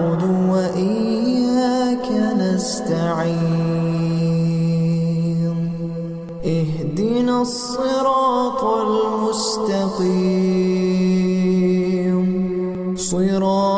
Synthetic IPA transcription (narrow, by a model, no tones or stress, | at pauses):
ʊd̪waʔɪjakanast̪aʕi | m | ʔɪhd̪ɪnasˤːɨɾɑːt̪almʊst̪aqiː | m | sˤɨɾɑː